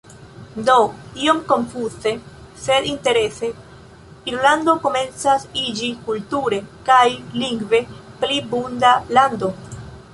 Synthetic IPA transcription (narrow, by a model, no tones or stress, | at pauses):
do̞io̞mko̞ɱfuse̞ | se̞d̪inte̞ɾe̞se̞ | iɾlando̞ko̞me̞nt͡sasid͡ʒikultuɾe̞kajliŋɡve̞plibundalando̞